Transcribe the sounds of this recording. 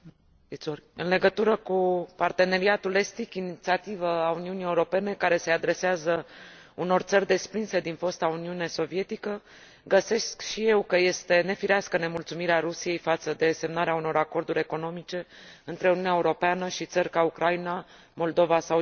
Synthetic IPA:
it̪soɨnle̞ɡət̪uɾəkupart̪e̞ne̞ɾiat̪ule̞st̪ikinit̪siat̪ivəauniunije̞uɾo̞pe̞ne̞kaɾe̞se̞ad̪ɾe̞seazə | uno̞rt̪sərʲd̪e̞spɾinse̞d̪info̞st̪auniuneso̞vije̞t̪ikə | ɡəse̞skʃije̞wkəje̞st̪e̞ne̞fiɾeaskəne̞mult̪sumiɾeaɾusije̞jfat̪səd̪e̞se̞mnaɾeauno̞ɾako̞rd̪uɾʲe̞ko̞no̞mit͡ʃe̞ | ɨnt̪ɾe̞uniuneaeuɾo̞peanəʃit̪sərʲkaukɾaina | mo̞ld̪o̞vasa

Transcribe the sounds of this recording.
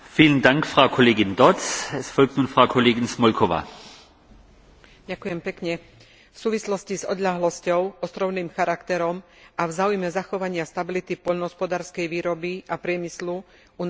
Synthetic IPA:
fiːləndaŋkfʁaʊkʰɔleːɡɪnd̪ɔt͡sɛsfɔlk̚tnuːnfʁaʊkʰɔleːɡɪnsmɔlkʰɔʋa̰ː | ɟakʊjɛmpɛkɲɛ | fsuːʋislɔscizɔ̰d̪ʎaɦlɔscɔʊʔɔst̪ɾɔʊniːmxaɾakt̪ɛɾɔm | ʔavzaːujmɛzaxɔʋaɲɪast̪abilit̪ipɔʎnɔɦɔspɔd̪aːɾskɛjʋiːɾɔbiʔapɾɪɛmislu | un

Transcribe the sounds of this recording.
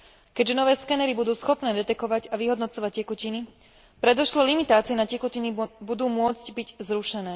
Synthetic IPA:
kɛɟʒɛnɔʋɛːskɛnɛɾibud̪uːsxɔpnɛːd̪ɛt̪ɛkɔʋaɟaʋiɦɔd̪nɔt͡sɔʋac̚cɛkucini | pɾɛd̪ɔʃlɔlimit̪aːt͡siɛnacɛkucinibud̪uːmʊɔd͡zɟbiɟzɾuʃɛnɛː

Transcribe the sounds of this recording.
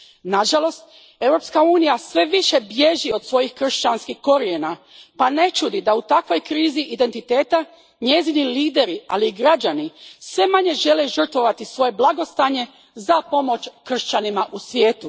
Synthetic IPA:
naʒalˠo̞st̪ | e̞wɾo̞pskauːnijasʋe̞ʋiʃe̞bje̞ʒio̞d̪̥sʋo̞jixkr̩ʃt͡ʃanskiko̞ɾiena | pane̞t͡ʃud̪id̪aut̪akʋo̞jkɾiːziʔid̪e̞nt̪it̪e̞ːt̪a | ɲe̞ziniliːd̪e̞ɾia̰liːɡɾad͡ʒanisʋe̞maɲe̞ʒe̞liʒr̩t̪ʋo̞ʋat̪isʋo̞je̞blˠaɡo̞st̪aɲe̞ | zapo̞mo̞t͡ʃkr̩ʃt͡ʃanimaʔusʋʲjeːt̪u

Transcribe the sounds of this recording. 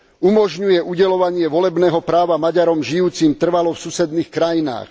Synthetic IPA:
umɔʒɲujɛʔuɟɛlɔʋaɲɪɛʋɔlɛbnɛːɦɔpɾaːʋamaɟaɾɔmʒijuːt͡simt̪r̩ʋalɔfsusɛd̪niːxkɾajina̰ːx

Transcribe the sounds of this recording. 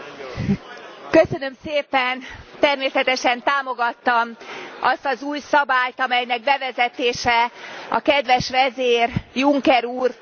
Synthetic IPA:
køsø̞nø̞mseːpɛnt̪ɛrmeːsɛt̪ɛʃɛnt̪aːmo̞ɡɒt̪ːɒmɒst̪ɒzuːjsɒbaːjt̪ɒmɛjnɛɡ̚bɛvɛzɛt̪eːʃɛɒ̰kɛd̪ʋɛʃʋɛzeːrjuŋkɛɾuːr

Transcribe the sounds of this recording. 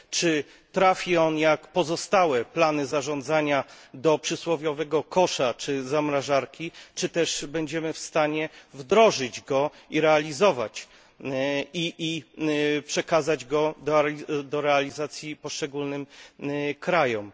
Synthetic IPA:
t͡ʂɘ | t̪ɾafʲiɔnjakpɔzɔst̪awɛplanɘzaʐɔnd̪zaɲad̪ɔpʂɘswɔvʲjɔvɛɡɔkɔʂat͡ʂɘzamɾaʐaɾkʲit͡ʂɘt̪ɛʐbɛɲd͡ʑɛmɘfst̪aɲɛvd̪ɾɔʐɘd͡ʑɡɔiɾɛalʲizɔva̰t͡ɕ | iʔi | pʂɛkazad͡ʑɡɔd̪ɔd̪ɔɾɛalʲizat̪sʲjipɔʂt͡ʂɛɡulnɘm | kɾajɔm

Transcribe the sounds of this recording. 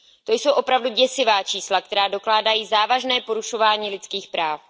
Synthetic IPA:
t̪o̞jso̞wʔo̞pɾavduɟɛsɪvaːt͡ʃiːslak̚t̪ɛɾaːdo̞klaːdajiːzaːvaʒnɛːpo̞ɾuʃo̞vaːɲiːlɪt͡skiːxpɾaːf

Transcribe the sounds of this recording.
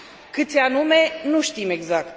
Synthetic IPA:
kɨt̪sʲanume̞nuʃt̪ime̞ɡzak̚t̪

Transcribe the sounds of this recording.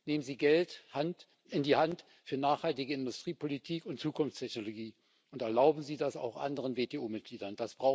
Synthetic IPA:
neːmənziːɡɛlthant | ʔɪndiːhant | fyːɐnaːχhaltɪɡəɪndʊstʁ̥iːpʰolitʰiːkʊntt͡suːkʊnft͡stʰɛçnoloɡiː | ʔʊntɛɐlaʊbm̩ziːdasa̰ʊxʔa̰ndəʁənveːteːʔuːmɪt̚ɡ̥liːdɐnd̥asb̥ʁaʊ

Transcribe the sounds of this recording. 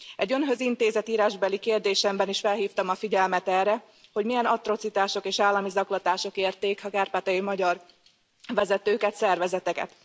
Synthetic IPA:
ɛɟːø̞nɦø̞zint̪eːzɛt̪iːɾaːʒbɛlːikeːrd̪eːʃɛmbɛniʃfɛlɦiːft̪ɒmɒfiɟɛlmɛt̪ɛːrːɛ | ho̞ɟmijɛnɒt̪ro̞t̪sit̪aːʃo̞keːʃaːlːɒmizɒklɒt̪aːʃo̞keːrt̪eːkhɒkaːrpaːt̪ɛjimɒɟɒr | vɛzɛt̪øːkɛt̪sɛrvɛzɛt̪ɛkɛ̰t̪

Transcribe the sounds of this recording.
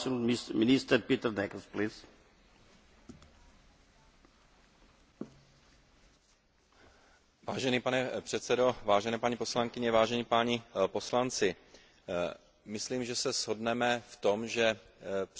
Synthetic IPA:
mɪnɪst̪əɾpit̪ɾd̪ɛkəsplɪs | vaːʒɛniːpanɛpr̝̥ɛt̪t͡sɛdo̞vaːʒɛnɛːpaɲipo̞slaŋkɪɲɛvaːʒɛɲiːpaɲɪpo̞slant͡sɪ | mɪsliːmʒɛsɛzɦo̞dnɛmɛft̪o̞mʒɛ | p

